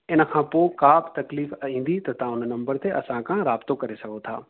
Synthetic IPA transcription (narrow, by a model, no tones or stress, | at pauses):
ɪnkʰãːpokaːpt̪ɐkliːfɐĩːnd̪it̪ɐt̪ãːʊnnɐ̃mbəɾt̪eʔɐsãkãɾaːbt̪õkɐɾesɐkot̪ʰa̰ː